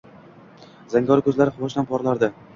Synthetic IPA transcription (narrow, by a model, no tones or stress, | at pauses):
z̥aŋɡʲɒɾkʰɵzlaɾɪχʊvɒʃd̪anpʰɒɾlaɾd̪ɪ